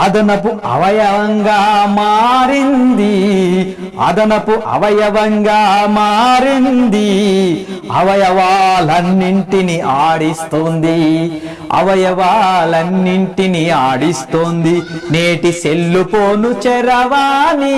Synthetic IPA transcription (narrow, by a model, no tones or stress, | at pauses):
ɐd̪ɐnɐpuʔɐ̰ʋɐjɐʋɐŋɡaːmaːɾind̪i | ɐ̰d̪ɐnɐpuʔɐ̰ʋɐjɐʋɐŋɡaːmaːɾind̪i | ɐ̰ʋɐjɐʋaːlɐnːiɳʈiniʔaːɽist̪ond̪i | ɐ̰ʋɐjɐʋaːlɐnːiɳʈiniaːɽist̪ond̪ineːʈiselːupoːnut͡ʃɛɾɐʋaːni